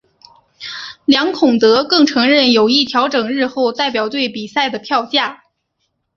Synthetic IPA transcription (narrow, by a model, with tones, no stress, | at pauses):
ljɑ˧˥ŋkʰʊ˨˩ŋt̪ɤ˧˥kɤ˥˩ŋʈ͡ʂʰɤ˧˥ŋɻə˥˩njo˨˩ʊi˥˩t̪ʰjɑ˧˥ʊʈ͡ʂɤ˨˩ŋɻɻ̩˥˧xo˥˧ʊt̪a˥˩ɪpjɑ˨˩ʊt̪we˥˩ɪpi˨˩sa˥˩ɪd̪ə˩pʰjɑ˥˧ʊt͡ɕja˥˩